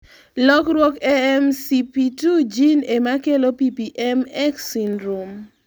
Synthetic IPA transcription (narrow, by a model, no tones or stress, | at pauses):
lɔkɾwɔkɛɛmsipitud͡ʒinemakelopipiʔɛmɛksinɾum